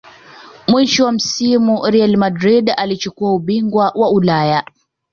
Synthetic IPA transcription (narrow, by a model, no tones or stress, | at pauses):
mwiʃɔwam̩simuɾialmadɾiɗalit͡ʃukuauɓiŋɡwawaulaja